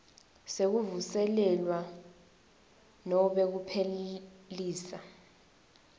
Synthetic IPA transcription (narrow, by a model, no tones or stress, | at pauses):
sek̬uvusɛlɛlwa | nɔɓek̬upʰeliːsa